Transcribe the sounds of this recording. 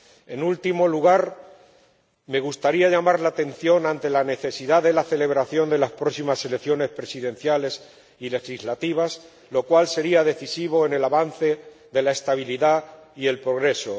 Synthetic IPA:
e̞nult̪imo̞luɣ̞aɾ | me̞ɣ̞ust̪aɾiaʝamaɾlaːt̪e̞n̟θjo̞nãnt̪e̞lane̞θe̞siðaðe̞laθe̞le̞β̞ɾaθjo̞nd̪e̞laspɾo̞ksimase̞lekθjo̞ne̞spɾe̞siðẽ̞n̟θjale̞s | ile̞xizlat̪iβ̞as | lo̞kwalse̞ɾiaðe̞θisiβ̞o̞e̞ne̞laβan̟θe̞ | ðe̞lae̞st̪aβ̞iliðaie̞lpɾo̞ɣ̞ɾe̞so̞

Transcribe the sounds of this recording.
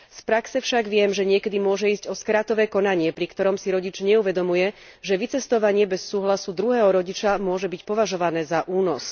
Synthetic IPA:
spɾaksɛfʃaɡʋɪɛmʒɛɲɪɛkɛd̪imʊɔʒɛiːzɟɔskɾaːt̪ɔʋɛːkɔnaɲɪɛpɾikt̪ɔɾɔmsiɾɔɟit͡ʃɲɛuʋɛd̪ɔmujɛ | ʒɛʋit͡sɛst̪ɔʋaɲɪɛbɛsːuːɦlasud̪ɾuɦɛːɦɔɾɔɟit͡ʃamʊɔʒɛbicpɔʋaʒɔʋanɛːzaʔuːnɔs

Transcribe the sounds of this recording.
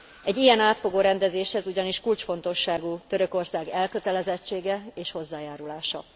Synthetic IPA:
ɛɟːijɛnaːt̪fo̞ɡoːɾɛnd̪ɛzeːʃhɛzuɟɒniʃkult͡ʃfo̞n̪t̪o̞ʃːaːɡuːt̪ø̞ɾø̞ko̞rsaːɡɛlkø̞t̪ɛlɛzɛt͡ʃːeːɡɛeːʃho̞zːaːjaːɾulaːʃɒ̰

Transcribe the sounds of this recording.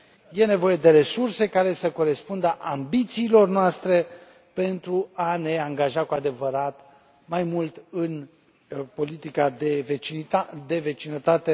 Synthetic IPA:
je̞ne̞vo̞je̞d̪e̞ɾe̞surse̞kaɾe̞səko̞ɾe̞spund̪əʔambit̪siːlo̞rnoast̪ɾe̞ | pe̞nt̪ɾuane̞aŋɡaʒakuad̪e̞vəɾat̪ | majmult̪ɨn | po̞lit̪ikad̪e̞vet͡ʃiad̪e̞ve̞t͡ʃinət̪at̪e

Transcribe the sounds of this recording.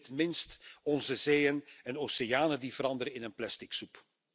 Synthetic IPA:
tmɪnstɔnzəzeːjənɛnoːsejaːnəndivəɾɑndəɾəɪnənplɛstɪksup

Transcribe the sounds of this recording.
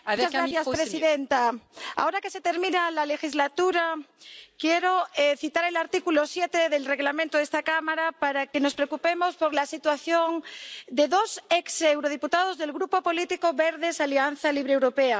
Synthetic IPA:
mt͡ʃazɣɾaθjaspɾesiðent̪aa̰oɾake̞se̞t̪e̞ɾmĩnalale̞xizlat̪uɾakje̞ɾoeθit̪aɾe̞laɾt̪ikulosje̞t̪eðe̞lre̞ɣlamẽnt̪oðest̪akamaɾapaɾake̞no̞spɾeokupe̞mo̞spoɾlasit̪waθjo̞ŋd̪e̞ðo̞seksewɾoð̞iput̪aðo̞zðe̞lɣɾupo̞po̞lit̪iko̞βeɾðe̞salianθaliβɾewɾo̞pea

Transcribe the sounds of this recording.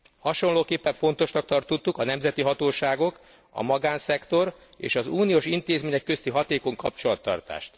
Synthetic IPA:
hɒʃo̞nloːkeːpːɛɱfo̞nt̪o̞ʃnɒk̚t̪ɒrt̪ot̪ːukɒnɛmzɛt̪iɦɒt̪oːʃaːɡo̞k | ɒ̰mɒɡaːnsɛkt̪o̞ɾ | ḛːʃɒzuːnijoːʃint̪eːzmeːɲɛkːø̞st̪iɦɒt̪eːko̞ŋkɒpt͡ʃo̞lɒt̪ːɒ̰rt̪a̰ːʃt̪

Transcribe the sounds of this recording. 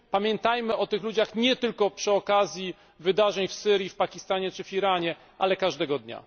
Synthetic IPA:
pamʲjɛnt̪ajmɘʔɔt̪ɘxlud͡ʑaxɲɛt̪ɘlkɔpʂɘɔkazʲji | vɘd̪aʐɛɲfsɘɾʲjifpakʲist̪aɲɛt͡ʂɘfiɾaɲɛ | ʔalɛkaʐd̪ɛɡɔd̪ɲa̰

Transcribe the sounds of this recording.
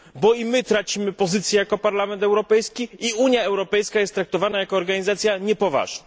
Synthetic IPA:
bɔimɘt̪ɾat͡ɕimɘpɔzɘt̪sjɛjakɔpaɾlamɛnt̪ɛwɾɔpɛjskʲiiuɲjaɛwɾɔpɛjskajɛst̪ːɾak̚t̪ɔvanajakɔːɾɡaɲizat̪sʲjaɲɛpɔva̰ʐ̥na

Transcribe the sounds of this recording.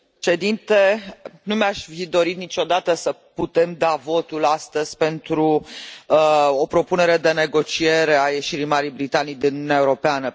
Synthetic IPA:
t͡ʃe̞d̪int̪e̞numaʃʲfid̪o̞ɾit̪nit͡ʃo̞d̪at̪əsəput̪e̞md̪avo̞t̪ulast̪əz̥ʲpe̞nt̪ɾu | opɾo̞pune̞ɾe̞d̪e̞ne̞ɡo̞t͡ʃie̞ɾe̞aje̞ʃiɾijmaɾijbɾit̪anijd̪inunununeaeuɾo̞peanə

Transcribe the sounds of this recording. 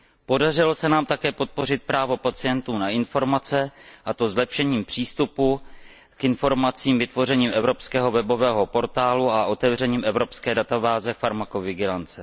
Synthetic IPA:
po̞dar̝ɪlo̞sɛnaːmt̪akɛːpo̞t̪̚po̞rɪt̪̚pɾaːvo̞pat͡sɪjɛnt̪uːnaɪnfo̞ɾmat͡sɛʔat̪o̞zlɛpʃɛɲiːmpr̝̥iːst̪upu | kɪnfo̞ɾmat͡siːmvɪt̪vo̞rɛɲiːmʔɛvɾo̞pskɛːɦo̞vɛbo̞vɛːɦo̞po̞ɾt̪aːluaʔo̞t̪ɛvr̝ɛɲiːmɛvɾo̞pskɛːdat̪abaːzɛfaɾmakovɪɡɪlant͡sɛ

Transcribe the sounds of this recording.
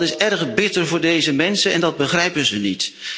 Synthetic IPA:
tɪsɛɹχbɪtərvʊːɹdejzəmɛnsəɛndɑd̚bəχrɛjpənzənit

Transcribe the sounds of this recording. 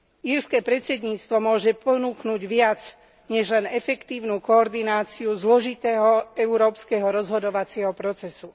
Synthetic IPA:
iːɾskɛːpɾɛt̪t͡sɛd̪ɲiːt͡st̪ʋɔmʊɔʒɛpɔnuːknuːɟʋɪat͡s | ɲɛʒlɛnɛfɛkt̪iːʊnuːkɔːɾd̪inaːt͡siuzlɔʒit̪ɛːɦɔɛuɾɔːpskɛɦɔɾɔzɦɔd̪ɔʋat͡sɪɛɦɔpɾɔt͡sɛsu

